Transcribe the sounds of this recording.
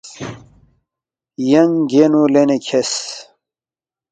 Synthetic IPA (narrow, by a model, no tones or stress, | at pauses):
jɐŋɡenulenekʰes